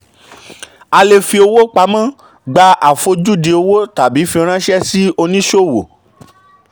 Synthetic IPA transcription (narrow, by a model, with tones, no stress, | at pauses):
a˧le˧fi˧o˧wo˦k͡pa˨˦mã˦ | ɡ͡ba˧ʔa˨fo˧d͡ʒu˦˨de˧o˧wo˦ta˨bi˨˦fi˧ɾ̃ã˦ʃɛ˦si˦o˧nĩ˦ʃo˦˨wo˨